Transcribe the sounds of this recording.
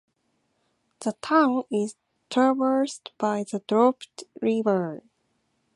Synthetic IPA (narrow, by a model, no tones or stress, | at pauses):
ðətʰãʊ̃nɪz̥ | tʰəvə˞stb̥aɪðədɹɔptɹivə˞